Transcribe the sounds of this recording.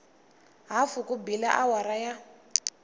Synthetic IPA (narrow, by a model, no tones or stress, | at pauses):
ɦafukubilaʔawaɾaja